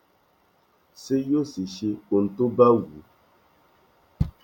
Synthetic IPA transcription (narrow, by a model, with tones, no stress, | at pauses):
se˦jo˦se˨ʃe˦o˨n̩˨to˦ba˦wu˨